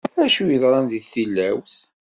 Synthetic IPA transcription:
ɾæʃujəðˤɾˤɑnðiθːilːæwθ

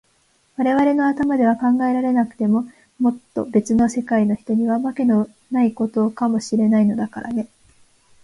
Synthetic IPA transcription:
βaɾe̞βaɾe̞no̞at̪amad̪e̞β̞akãŋɡae̞ɾaɾe̞nakɯ̟̥t̪e̞mo̞ | mo̞t̪ːo̞̰be̞t͡sɨno̞se̞kaino̞çi̥t̪o̞ɲ̟iβamake̞no | naiko̞t̪o̞kamo̞ɕiɾe̞naino̞d̪akaɾʔa̰ne̞

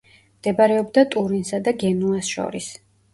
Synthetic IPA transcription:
md̪̥ɛbaɾɛɔbd̪at̪ʼuɾinsad̪aɡɛnuasʃɔ̰ɾis

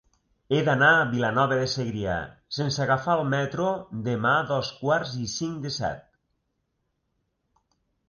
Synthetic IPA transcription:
eðanaβilanɔβeðeseɣɾia̰sensaɣafalˠmɛt̪ɾod̪emaðɔskwaɾzisiŋd̪esɛ̰t̪̚

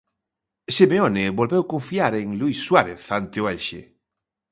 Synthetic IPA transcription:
simeoneβolβewkõɱfiaɾeŋluisːwaɾeθant̪eoɛlʲʃḛ

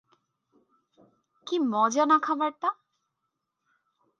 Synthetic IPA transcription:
kimɔd͡ʑanakʰabaɾt̪a

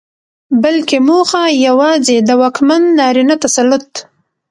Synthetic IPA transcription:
balkemoxajawɑzed̪əwɑkmanːɑɾinat̪asalʊt̪

